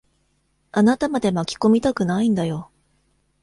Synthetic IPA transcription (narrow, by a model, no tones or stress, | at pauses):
anat̪amad̪e̞makʲi̥ko̞mʲit̪akɯ̟naĩnd̪ajo̞